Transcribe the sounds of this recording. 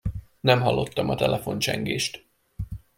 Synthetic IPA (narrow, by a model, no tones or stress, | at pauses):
nɛmɦɒlːo̞t̪ːɒmɒt̪ɛlɛfo̞nt͡ʃɛŋɡeːʃt̪